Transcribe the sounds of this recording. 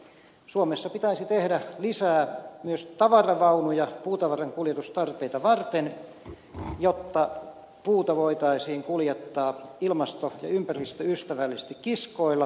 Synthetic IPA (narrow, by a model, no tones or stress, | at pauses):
suomesːɑpit̪æisit̪ehdælisæːmyøst̪ɑʋɑrɑʋɑunujɑpuːt̪ɑʋɑrɑŋkuljet̪ust̪ɑrpeit̪ɑʋɑrt̪en | jot̪ːɑ | puːt̪ɑʋoit̪ɑisiːŋkuljet̪ːɑːilmɑst̪ojɑ̰ympærist̪øyst̪æʋælːise̥st̪ikkiskoilːɑ